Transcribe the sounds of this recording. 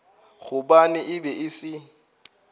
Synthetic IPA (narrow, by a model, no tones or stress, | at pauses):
ɣʊbanɪʔɪbɛʔɪsɪ